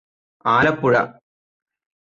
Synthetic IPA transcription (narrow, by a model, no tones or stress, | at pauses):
aːlɐpːuɻɐ̰